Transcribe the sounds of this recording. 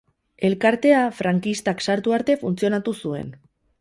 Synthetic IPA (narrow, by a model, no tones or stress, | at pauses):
e̞lkaɾt̪e̞afɾaŋkist̪aksaɾt̪uaɾt̪e̞funt͡sio̞nat̪usue̞̰n